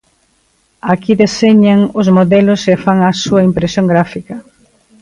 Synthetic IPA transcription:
akiðeseɲaŋʊzmoðɛlʊsefaŋasuɐimpɾesjoŋɡɾafikɐ

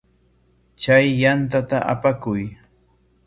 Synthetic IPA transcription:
t͡ʃajːant̪at̪aʔa̰pakʊj

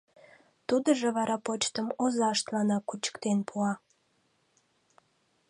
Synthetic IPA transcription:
t̪ud̪əʒeβɑɾɑpot͡ɕt̪əmozɑʃt̪lɑnɑkut͡ɕə̥kt̪enpʰuɑ

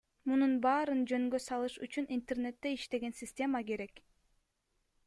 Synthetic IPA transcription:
mununbɑːɾɯnd͡ʒø̞ŋɡø̞sɑlˠɯʃyt͡ʃynint̪ernet̪ːe̞iʃt̪e̞ɡe̞nsʲɪsʲtʲe̞makeɾe̞k

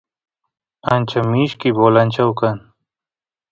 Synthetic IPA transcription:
ant͡ɕʰɐmiːɕkiboːlɐnʲt͡ɕʰɐwkɐn

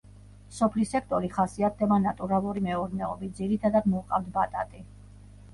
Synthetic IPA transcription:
sɔpʰlisɛkʰt̪ʼɔɾiχasiat̪̚ʰd̪ɛbanat̪ʼuɾalˠuɾimɛɔɾnɛɔbit̪̚ziɾit̪ʰad̪ad̪mɔqʼavd̪bat̪ʼat̪ʼi

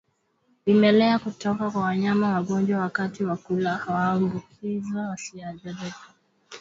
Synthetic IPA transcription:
imɛlɛakutɔkakwawaɲamawaɠɔnd͡ʒwawakatiwakulahawaːmbukʰizawasiaʄɛɾɛkḁ

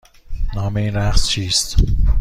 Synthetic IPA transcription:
nɒːmeiːnɾæqst͡ʃʰiːst̪

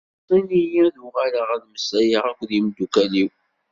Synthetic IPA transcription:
t̪ˤːinijæðuʁæləʁæðməsæjəʁækʷːðjimd̪ukæliw

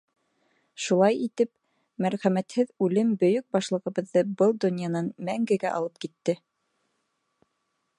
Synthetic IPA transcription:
ʃulˠɑjit̪ɘp | mæɾχæmæt̪hɘðʉlɘmbɵ̆jɵk̚bɑʃlˠɤ̆ʁɤ̆βɤ̆ðːɤbɤlˠd̪ŏnʲjɑnɑnmæŋɡɘ̆ɡæʔɑ̰lˠɤp̚kit̪ːɘ

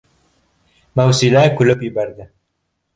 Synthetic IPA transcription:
mawsilækɵlɘpjɘ̆bæɾd̪ɪ

